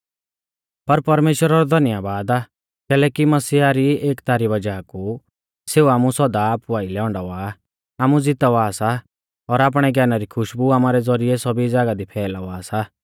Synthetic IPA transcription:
pɐɾpɐɾmeːʃwəɾaɾɔd̪ʱɐnɪjabaːd̪aː | kɛːlɛːkimɐsiːaɾieːkt̪aːɾibɐd͡ʒaku | seːuaːmusɔd̪aːpuaːilɛːʊ̃ɳɖaʋaː | aːmud͡zɪt̪aʋaːsa | ɔɾaːp̬ɽ̃ɛɡʱɛːnaɾikʰʊʃbuaːmaɾɛd͡zɔɾiesɔbid͡zaːɡad̪ipʰɛːlaʋaːsa

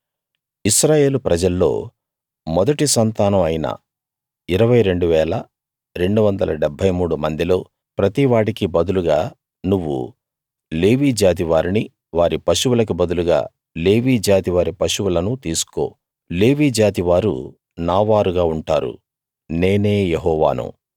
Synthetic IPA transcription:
iʃɾaːje̞ːlupɾɐd͡ʒɐlːo̞̰ː | mɔd̪ɐʈisɐnt̪aːnɐmɐjinɐ̰ | iɾɐʋɐjɾe̞ɳɖuʋɛːlɐ | ɾe̞ɳɖuʋɐnd̪ɐlɐ̰ɖɛbʱɐjmuːɽumɐnd̪ilo̞ː | pɾɐt̪iʋaːɽikibɐd̪uluɡaː | nuʋːṵ | le̞ːʋiːd͡ʒaːt̪̬iʋaːɾini | ʋaːɾipɐʃuwulɐk̬ubɐd̪uluɡa̰ː | le̞ːʋiːd͡ʒaːt̪iʋaːɾipɐʃuwulɐnut̪iːsu̥ko̞̰ː | le̞ːʋiːd͡ʒaːt̪iʋaːɾṵ | naːʋaːɾuɡaːuɳʈa̰ːɾṵ | ne̞ːne̞ːjeɦɔːʋa̰ːnṵ

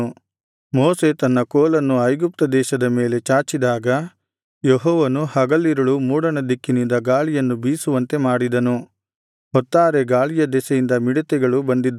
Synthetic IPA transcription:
mɔːse̞t̪ɐnːɐkoːlɐnːuɐjɡup̚t̪ɐd̪ɛːʃɐd̪ɐme̞ːle̞t͡ʃaːt͡ʃid̪aːɡɐ | jeɦɔːʋɐnuhɐɡɐlːiɾɐɭumuːɽɐɳɐd̪ikːinind̪ɐɡaːɭijɐnːubiːsuʋɐnt̪e̞maːɽid̪ɐnu | ɦɔt̪ːaːɾe̞ɡaːɭijɐd̪ɛsɛjind̪ɐmiɽɐt̪ɛɡɐɭubɐnd̪id̪ː

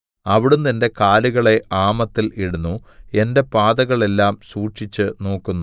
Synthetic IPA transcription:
ɐʋiɽumninde̞kaːluɣɐɭe̞aːmɐt̪ːiliɽunːue̞nde̞paːd̪ɐɣɐɭe̞lːaːmsuːʈʂit͡ɕːɨno̞ːkːunːu

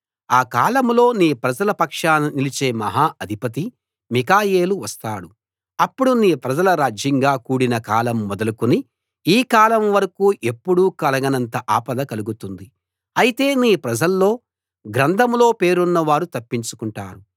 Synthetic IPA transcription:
aːkaːlɐmlo̞ːniːpɾɐd͡ʒɐlɐpɐkʂaːninilit͡ʃe̞ːmɐɦaːʔɐd̪ʱipɐt̪̬i | mikaːje̞ːluʋɐst̪aːɽu | ɐpːuɽuniːpɾɐd͡ʒɐlɐɾaːd͡ʒjɐŋɡaːkuːɽinɐkaːlɐmːɔd̪ɐlukuni | iːkaːlɐmʋɐɾɐkuːʔe̞pːuɽuːkɐlɐɡɐnɐnt̪ɐʔaːpɐd̪ɐkɐluɡut̪und̪i | ɐjit̪e̞ːniːpɾɐd͡ʒɐlːo̞ː | ɡɾɐnd̪ʱɐmlo̞ːpe̞ːɾunːɐʋaːɾut̪ɐpːiɲt͡ʃu̥kuɳʈa̰ːɾu

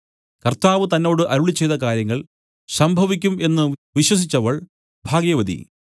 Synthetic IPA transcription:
kɐrt̪aːʋɨt̪ɐnːo̞ːɽɨʔɐɾuɭit͡ɕːe̞jt̪ːɐk̬aːɾjɐŋːɐɭ | sɐmbʱɐʋik̬ʲːume̞nːɨʋiɕwɐs̬it͡ɕːɐʋɐɭ | bʱaːɡjɐʋɐd̪ḭ

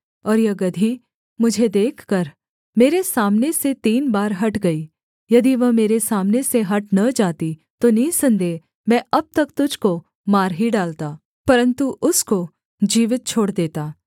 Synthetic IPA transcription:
ɔːɾjɐɡɐd̪ʱi | mʊd͡ʒʱed̪eːkʰkɐɾ | meːɾesaːmneset̪iːnbaːɾɦɐʈɡɐi | jɐd̪iʋɐmeːɾesaːmneseɦɐʈnɐd͡ʒaːt̪it̪onisɐ̃nd̪e | mɛ̃ːɐb̚t̪ɐkt̪ʊd͡ʒʱko | maːɾɦiɖaːlt̪aː | pɐɾə̃nt̪uʔʊsko | d͡ʒiːʋɪt̪̚t͡ʃʰoːɽd̪eːt̪aː

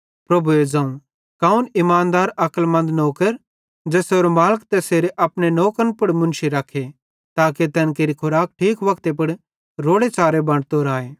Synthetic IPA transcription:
pɾɐbʱued͡ʒãːũ | kaːunɪmaːnd̪aːɾɐkəlmɐ̃nd̪noːkəɾ | d͡ʒɛːseɾomaːləkt̪ɛseːɾeʔɐpnenoːkənpʊɽmʊ̃nʃiɾɐkʰe | t̪aːket̪ɛːnkeːɾikʰʊɾaːk̚ʈʰiːkʋɐkt̪ep̬ʊɽ | ɾoːɽet͡ʃaːɾebɐ̃ɽt̪oːɾaːeː

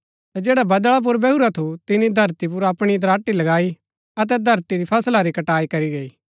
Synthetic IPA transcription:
t̪ad͡ʒeːɽabɐd̪ɭap̬ʊɾbɛuɾat̪ʰut̪ɪnid̪ʱɐɾt̪ipʊɾɐpɽ̃id̪ɐɾaːʈːilɐɡaːi | ɐt̪̬ɛd̪ʱɐɾt̪iɾipʰɐslaɾikɐʈaːikɐɾiɡɐiː

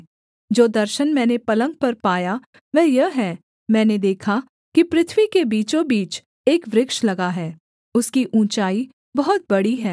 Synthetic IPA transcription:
d͡ʒoːd̪ɐɾʃənmɛ̃ːnepɐlə̃ŋɡ̚pɐɾpaːja | ʋɛːjɐɦɛː | mɛ̃ːned̪eːkʰa | kipɾɪt̪ʰʋikebiːt͡ʃõbiːt͡ʃ | eːkʋɾɪkʃlɐɡaɦɛː | ʊskiʔũːt͡ʃaːi | bɐɦɔt̪̚bɐɽiɦɛː

